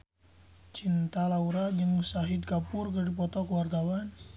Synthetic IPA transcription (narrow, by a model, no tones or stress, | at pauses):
t͡ʃint̪alauɾaəŋsaɦɪd̪̚kapʊrkərdipɔt̪ɔkəwart̪awan